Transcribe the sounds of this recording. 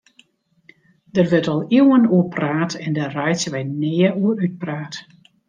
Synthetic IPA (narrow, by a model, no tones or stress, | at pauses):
d̥ərʋɪtɔlˠiwənuəpʰraːtɛndərɛjsʋɛjneːəuəɾyt̚praːt